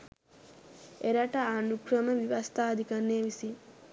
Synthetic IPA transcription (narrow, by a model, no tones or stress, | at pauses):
eɾɐʈɐanukɾɐmɐʋiʋɐst̪ʰaːd̪ʱikɐnːeːʋisi